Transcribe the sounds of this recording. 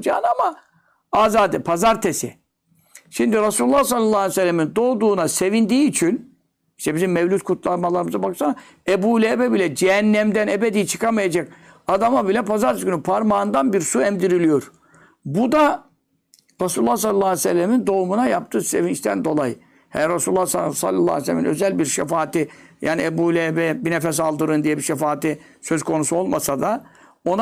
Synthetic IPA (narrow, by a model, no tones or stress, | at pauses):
d͡ʒa̰ːnama | aːzaːd̪ɛpʰazaɾt̪ʰesɪ̰ | ʃimd̪iɾasulʲulːˠahsalːalˠːaːsɛlʲːemind̪o̞ːd̪uːnase̞vind̪iːt͡ʃʰin | iʃt̪ɛbizimːɛvlʲut̪̚kʰut̪lˠaɾmalˠaɾɯmɯzabakɯsam | ebuːlʲeːbɛbilʲɛd͡ʒɛɦænːæmd̪ænebed̪ijt͡ʃʰɯ̥kʰamajad͡ʒak̚ | ad̪amabilʲɛpʰazaɾsɡynypʰaɾmaːnd̪anbiɾsuɛmd̪iɾilʲijo̞ɾ̥ | bud̪a | ɾasulʲulːˠas̬alʲːlːˠaːsɛlʲːemind̪o̞umunajap̚t̪ʰɯːse̞vint͡ʃt̪ʰænd̪o̞lˠaj | hɛ̰ɾasulʲulːassa̰lʲːalːˠa̰ːɛslʲɛminø̞̰zælʲbiɾʃɛfaːt̪ijaːniebulʲebɛbinefɛs̬alˠd̪ɯɾɯnd̪ijɛbiʃefaːt̪i | søzkʰo̞nusuo̞lˠmasad̪a | o̞na